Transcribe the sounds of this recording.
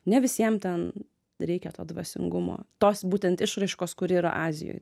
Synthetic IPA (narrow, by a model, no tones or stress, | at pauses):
nʲɛʋʲɪsʲiɛmt̪ʲɛn | ɾʲɛɪkʲɛt̪oːd̪ʋɐsʲɪ̰ŋɡʊmo̰ːt̪oːsbuːt̪ʲɛnt̪ɪʃɾɐɪʃkoːskʊɾiːɾɐ̰ʔɑːzʲɪ̰jo̰ːj